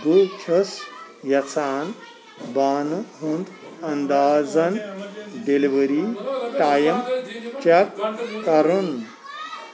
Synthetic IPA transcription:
butʰɐsjɐt͡sʰaːn | baːnɦund̪ɐnd̪aːd͡zɐnɖeliʋəɾiʈaːjɐmt͡ʃɐkkɐɾun

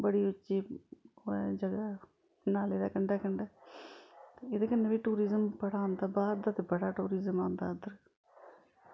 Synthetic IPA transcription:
bəɽiːʊt͡ʃːʃiː | ɛd͡ʒəɡaː | naːleːd̪aːkəɳɖɛːkəɳɖɛː | t̪eɪd̪eːkənːeːʋiːʈuːɾiːzəmpəɽaːõːnd̪aːbaːd̪ət̪ebəɽaːʈuːɾiːzəmãːnd̪a̰ːəd̪əɾ

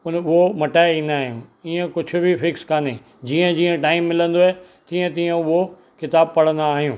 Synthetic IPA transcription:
ʊnʊɦomɐʈaːɪĩːnd̪aːɦijũːiːẽkʊd͡ʑʰʱʊ̆bʱifɪkskaːne | d͡ʑiːə̃d͡ʑiːə̃ʈaːɪmːɪlə̃nd̪oɦe | t̪iːə̃t̪iːə̃ʊɦo | kɪt̪aːb̚pɐɽ̤ə̃nd̪aːɦijũː

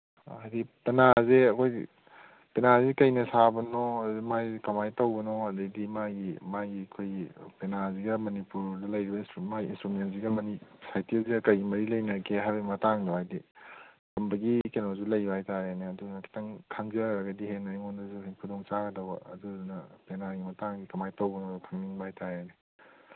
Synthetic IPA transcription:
ajdipenazeɐkʰoj | penazikɐjnɐsabɐnɔɐdimajkɐmajtɐwbɐnɔɐdɐdimaɡimaɡiɐkʰojpenaziɡɐmɐnipuɾdɐlɐjɾibɐinsumaɡiinstɾumensiɡɐmɐnisajtiziɡɐkɐjɡimɐɾilɐjnɐkʰeɦajbɐimɐtaŋdɐwajdi | kɐmbɐɡikenozulɐjbaajtaɾeneɐdunɐkʰi̥tɐŋkʰaŋziaɾɐɡɐdiɦenaeŋondɐzukʰudoŋt͡ʃaɡɐdɐwɐ̰ɐduunɐpenaɡimɐtaŋɡikɐmajtɐwbɐnɔkʰaŋninbaajtʰaɾene

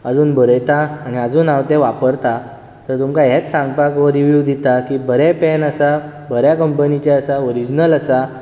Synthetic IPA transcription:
əd͡zuːnbəɾəjt̪aːɽ̃iəd͡zuːnawt̪ẽʋapəɾt̪a | t̪əɾt̪umkaɦet͡s̪sãŋɡpakʋəɾiʋjuʋd̪it̪akiːbəɾɛpɛnəsa | bəɾjakəmpənit͡ɕaəsaoɾid͡ʑnələsa

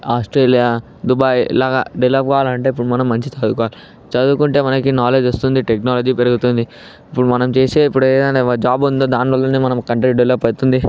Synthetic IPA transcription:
aːsʈɾeːlijaː | d̪ubaːjlaːɡa̰ːɖeʋlɐp̚kɐːʋaːlɐɳʈe̞ːipːuɽumɐnɐmːɐɲt͡ʃit͡ʃɐd̪ukːaːli | t͡ʃɐd̪ukuɳʈe̞ːmɐnɐkinaːle̞ːd͡ʒost̪und̪iʈeknaːlɐd͡ʒiːpeɾɐɡut̪und̪i | ipːuɽumɐnɐmt͡ʃeːseːipːuɽueːd̪ɐneɐd͡ʒaːbund̪oːd̪aːnʋɐlːɐneːmɐnɐmkɐɳʈɐɾiɖɐʋlɐpɐɽt̪und̪i

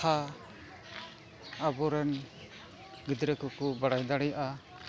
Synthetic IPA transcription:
a | abɔɾan | ɡid̪ɾəkukubaɽajd̪aɽɛjaʔa

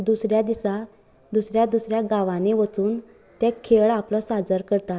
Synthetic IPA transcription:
d̪usɾjad̪isa | d̪usɾjad̪usɾjaɡaʋaneʋət͡suːn | t̪jakʰeɭaplɔsad͡zəɾkəɾt̪at̪

